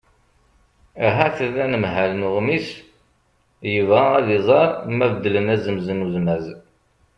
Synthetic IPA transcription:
æɦæθəðænəmɦælnuʁmis | jəvʁaæðizˤɑɾˤmævəd̪ːlənæzəmzənuðmæz

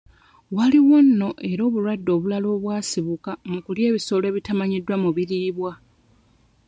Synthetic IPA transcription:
waliwonːo̞ʔe̞ɾo̞ːβulwadːo̞ːβulalo̞ːβwaːsiβukamukulje̞ːβiso̞ːle̞βitamaɲidːwamuβiɾiβwa

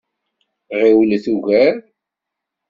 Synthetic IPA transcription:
ʁiwlθuʝæɾ

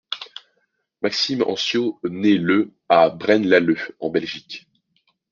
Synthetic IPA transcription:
maksimɑ̰̃sjonelə | abʁɛnlaløɑ̃bɛlʒik

